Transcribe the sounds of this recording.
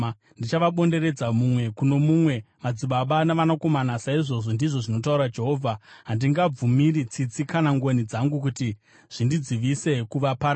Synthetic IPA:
ndit͡ʃaʋaɓo̞nde̞ɾe̞d͡zamumwe̞kuno̞mumwe̞mad͡ziɓaɓanaʋanako̞manasaiʐo̞ʐo̞ndiʐo̞ʐino̞tauɾad͡ʒe̞ɦo̞ːvʱaɦandiŋɡab͡vumiɾit͡sit͡sikanaŋɡonid͡zaŋɡuk̬uti | ʐ̥indid͡ziʋise̞kuʋapaɾ

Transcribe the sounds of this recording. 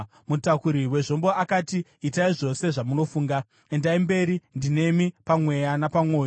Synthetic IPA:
mutakuɾiwe̞ʐo̞mboakatiːtaiʐo̞se̞ʐamuno̞fuːŋɡa | endaimbe̞ɾindine̞mipamwe̞janapamwo̞ːjo

